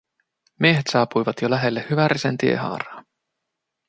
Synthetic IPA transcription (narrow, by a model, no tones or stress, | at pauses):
mieɦe̞t̪sɑːpujʋɑt̪jolæɦe̞lːehyʋæɾisent̪iḛɦɑ̰ːɾɑː